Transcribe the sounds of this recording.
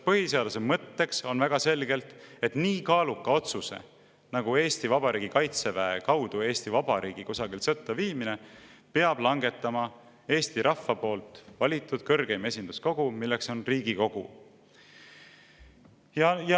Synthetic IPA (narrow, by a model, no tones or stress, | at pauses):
pɤɦiseɑd̪̥us̬emɤt̪ːe̞kso̞nvæɡ̥ɑse̞lɡe̞lt̪et̪niːkɑːlukːˑɑo̞t̪susḛ | nɑɡ̥ue̞ːst̪ivɑb̥ɑɾʔiːɡ̥ikɑjt̪sevæekɑwd̪ue̞ːst̪ivɑb̥ɑɾiːɡ̥ikosɑɡilsɤt̪ːˑɑviːmine̞pe̞ɑblɑŋɡ̥e̞t̪ːˑɑmɑ | e̞ːst̪iɾʔɑfːɑpo̞ːlt̪ˑvɑlʲit̪ːˑud̪̥kɤrɡe̞jme̞sʲind̪̥usko̞ɡ̥umilːekso̞nriːɡiko̞ɡ̥u | jɑj